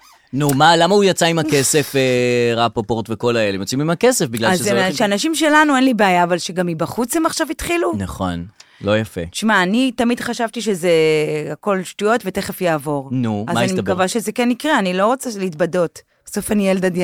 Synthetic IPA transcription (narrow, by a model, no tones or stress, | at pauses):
numalamaujat͡saimakese̞feʁapopoʁt̪veko̞laelemjot͡simimakesefbiɡlaazeʃeanaʃimʃe̞lanuenlibeajaːvalʃeɡamibaχut͡shemaχʃavitχilunaχo̞̰n | lo̞jafḛʃmaːnitamidχaʃavtiʃeze̞ako̞lʃtujo̞tve̞te̞χe̞fjaːvo̞ʁnuazmaanimekavaʃe̞ze̞kenikʁeanilo̞ʁot͡saleitbado̞t | beso̞fanield̪ada